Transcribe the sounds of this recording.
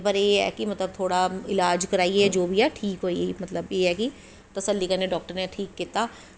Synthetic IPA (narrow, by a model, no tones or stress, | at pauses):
pəɾjeːɦɛ̰ːkimɐt̪ləb̚t̪ʰoːɽaɪlaːd͡ʒkɐɾaːiɛd͡ʒoːbʱiɛʈʰiːkɦoːiemɐt̪ləbjeːɦɛki | t̪ɐsəlːikɐɾneɖɔːk̚ʈəɾneʈʰiːkːiːt̪aː